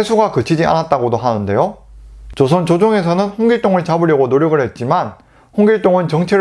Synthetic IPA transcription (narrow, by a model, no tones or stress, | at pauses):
esʰuɡakɯt͡ɕʰid͡ʑia̰nat̚t͈aɡodoɦanɯnde̞jot͡ɕosʰʌnt͡ɕod͡ʑoŋe̞sʰʌnɯnɸoŋɡiɭt͈oŋɯɭt͡ɕabɯɾjʌɡonoɾjʌɡɯɭhe̞t̚t͡ɕ͈iman | hoŋɡiɭt͈oŋɯnt͡ɕʌŋt͡ɕʰeɾ